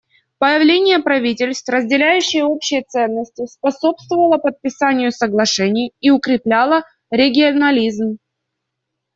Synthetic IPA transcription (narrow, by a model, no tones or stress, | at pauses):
pəjɪvlʲenʲɪjəpɾɐvʲitʲɪlʲst̪vrəzʲdʲɪlʲæjʉɕːɪjəo̞pɕːɪjət̪sɛnːəsʲtʲɪspɐso̞pst̪vəvəlˠəpət̪̚pʲɪsanʲɪjʊsəɡlˠɐʂɛnʲɪjiʊkɾʲɪplʲalˠə | ɾʲɪɡʲɪɐnɐlʲizm